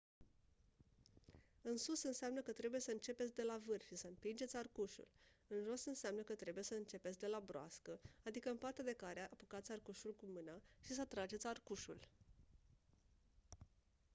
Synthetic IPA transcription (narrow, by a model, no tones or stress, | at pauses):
ɨnsusɨnseamnəkət̪ɾe̞buje̞səɨnt͡ʃe̞pet̪ʲd̪e̞lavɨrʃisəɨmpind͡ʒe̞t̪sʲarkuʃṵlɨnʒo̞sɨnseamnəkət̪ɾe̞buje̞səɨnt͡ʃe̞pet̪sʲd̪e̞labɾoa̰skəad̪ikəɨmpart̪e̞d̪e̞kaɾeaʔapukat̪sʲarkuʃulkumɨnaʃisət̪ɾad͡ʒe̞t̪sʲarkuʃṵl